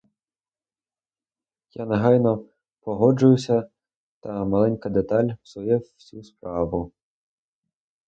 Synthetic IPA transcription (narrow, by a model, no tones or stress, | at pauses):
janeɦɑjnɔ | pɔɦɔd͡ʒʊjʊsʲɐ | t̪ɐmɐlˠɛnʲkɐd̪et̪ɑlʲwsɔjɛwsʲuspɾɑʋʊ